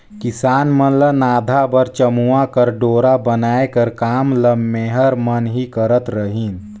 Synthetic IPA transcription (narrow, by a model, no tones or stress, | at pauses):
kɪsaːnmənlənaːd̪ʱabəɾt͡ʃəmuakəɾɖoːɾabənaːekəɾkaːmləmːeːɦəɾmənɦikəɾət̪ɾəɦin